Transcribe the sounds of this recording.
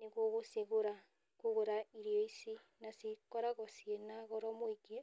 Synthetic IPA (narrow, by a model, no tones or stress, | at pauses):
neɣoɣoseɣoɾa | koɣoɾaiɾijoisi | nasikɔɾaɣɔsienaɣɔɾɔmwiɡe